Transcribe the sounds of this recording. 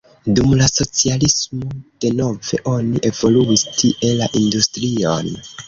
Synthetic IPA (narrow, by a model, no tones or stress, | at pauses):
dumlaso̞t͡sialismo̞d̥e̞no̞ve̞̰ʔo̞niʔe̞vo̞luistʰiʔe̞laʔindustɾio̞n